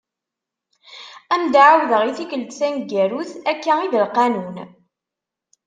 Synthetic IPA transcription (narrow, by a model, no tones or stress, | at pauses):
æmd̪ʕawðəʁiθikəlt̪sænɡæɾuθækːæiðəlqɑnun